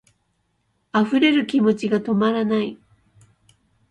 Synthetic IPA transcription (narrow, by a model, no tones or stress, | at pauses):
aɸɯ̟ɾe̞ɾɯ̟kʲimo̞t͡ɕiɡat̪o̞maɾanai